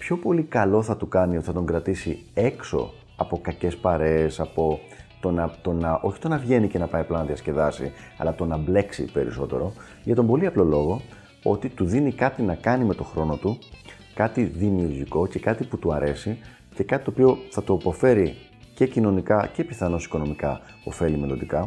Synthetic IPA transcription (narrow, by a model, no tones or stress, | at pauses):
pço̞po̞likɐlo̞θɐt̪ukɐniot̪iθɐt̪o̞ŋɡɾɐt̪isie̞kso̞̰ | ɐpo̞kɐce̞spɐɾe̞ːsɐpo̞ | t̪o̞nɐt̪o̞nɐʔo̞çi̥t̪o̞nɐvʝe̞nicenɐpɐiplɐnɐðiɐsce̞ðɐsḭ | ɐ̰lɐt̪o̞nɐble̞ksḭpe̞ɾḭso̞̰t̪e̞̰ɾo̞ | ʝɐt̪o̞mbo̞liɐplo̞lo̞ɣo̞ | o̞̰t̪it̪uðinikɐt̪inɐkɐnime̞t̪o̞xɾo̞no̞t̪u | kɐt̪iðimiuɾʝiko̞ce̞kɐt̪iput̪uɐɾʔe̞si | ce̞kɐt̪it̪opio̞θɐt̪uɐpo̞fe̞ɾi | ce̞cino̞nikɐce̞piθɐno̞si̥ko̞no̞mikɐ̰ | o̞̰fe̞lime̞lo̞nd̪ikɐ